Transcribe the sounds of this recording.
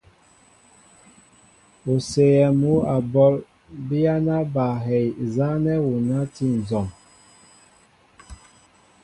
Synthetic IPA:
o˨se˨jɛ˨mu˦a˨bɔ˦l | bi˦ja˦na˦ba˨ɦɛ˨jza˦nɛ˦wu˨na˦ti˦n̩˨zɔ˨m

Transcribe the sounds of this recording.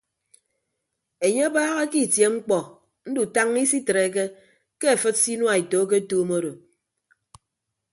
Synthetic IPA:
e˨ɲe˦a˦baː˦ɣa˦ki˦˨tje˨ŋ͡m̩˦k͡pɔ˨ | n̩˦du˨ta˦ŋi˦si˦tɾe˨˦k̬e˦ | ke˦e˨fɨ˦t̚si˦nwa˨i˨to˨˦k̬e˦toː˦mo˦ɾo˨

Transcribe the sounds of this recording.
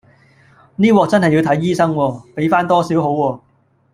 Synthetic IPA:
niː˥wɔː˧k̚t͡sɐ˥nɦɐ˨˩ji˨˧wt̪ʰjiː˥sɐ˥ŋwɔː˧pe˨˥jfaː˥nt̪ɔː˥siː˨˥wɦo˨˥wwɔː˧

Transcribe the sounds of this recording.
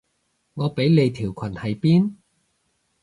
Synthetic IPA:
ŋɔː˨˧pe˨˥jle˨˧jt̪ʰiː˨˩wkʰwɐ˨˩nhɐ˨jpiː˥n

